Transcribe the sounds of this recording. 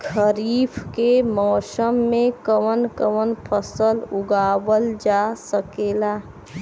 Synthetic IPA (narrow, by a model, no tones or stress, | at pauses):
kʰəɾiːfkemɔːsəmːẽkəwənkəʋənpʰəsəlʊɡaːwəld͡ʒasəkeːlaː